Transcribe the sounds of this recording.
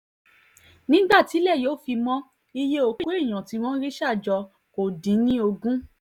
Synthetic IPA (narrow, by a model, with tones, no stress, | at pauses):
nĩ˦ɡ͡ba˦˨ti˨˦lɛ˦˨joː˨˦˨fi˧mɔ̃˦ | i˧je˦o˧ko˦i˦˨j̃ã˨ti˨˧˦w̃ɔ̃˦ɾi˦ʃa˦˨d͡ʒɔ˧ | ko˨dĩ˨˦nĩ˦o˧ɡũ˦